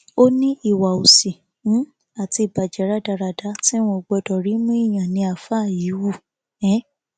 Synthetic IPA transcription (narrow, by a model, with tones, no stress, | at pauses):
o˦nĩ˦i˦˨wa˨o˨si˨˦ | a˨ti˧˨ba˨d͡ʒɛ˨ɾa˦da˧ɾa˧da˦tĩ˦ɔ̃˧˨ɡ͡bɔ˧dɔ˨ɾi˨˦mũ˦i˦˨j̃ã˨nĩ˧˦a˨fa˦˨ji˨˦wu˦˨ | ɛ̃˨˦